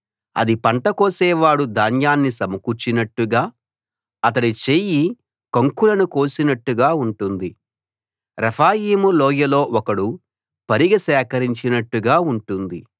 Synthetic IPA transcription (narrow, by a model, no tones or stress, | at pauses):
ɐ̰d̪ipɐɳʈɐkoːsɛːʋaːɽud̪aːnjaːnːisɐmɐkut͡ʃːinɐʈːuɡaː | ɐt̪ɐɽit͡ʃeːji | kɐŋkulɐnukoːsinɐʈːuɡaːuɳʈund̪i | ɾɐpʰaːjiːmulɔːjɐlo̞ːʔɔkɐɽu | pɐɾiɡɐsɛːkɐɾiɲt͡ʃinɐʈːuɡaːuɳʈund̪i